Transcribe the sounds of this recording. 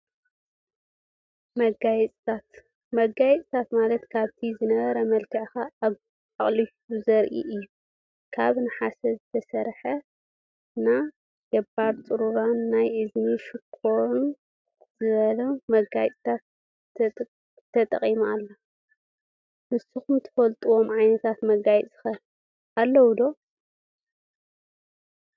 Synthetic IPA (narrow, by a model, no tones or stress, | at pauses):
mɐɡajɛt͡sʼt̪ʰat̪ | mɐɡajɛt͡sʼt̪ʰat̪malɐt̪kʰaβt̪ʰizɨnɐβɐɾɐmɐlkʰɐʕxa | aχʼli | uzɐɾʔḭʔɨjːu | kʰaβnɨħasɐzɨt̪ʰɐsɐɾħɐ | na | ɡ̥ɐbaβt͡sʼɨɾuɾanːajʔɨzniʃɪkʰːoɾun | zɨβɐlɐmɐɡajt͡s̪ʼt̪ʰat̪ | t̪ʰːɐt̪ʼɐ̰qʼimalːɐ | mɨsːuxumt̪ʰɨ̥fɐlt̪ʼuwomʕajnɐt̪ʰat̪mɐɡajt͡sʼɨ̥xɐ | alːɐwd̪o̞